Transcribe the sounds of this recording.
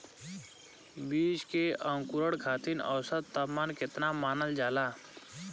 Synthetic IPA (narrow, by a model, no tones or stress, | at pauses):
biːd͡ʒkeʔə̃ŋkuɾəɽkʰat̪ʰiːnə̰wsət̪ːəmanket̪namaːnəld͡ʒaːla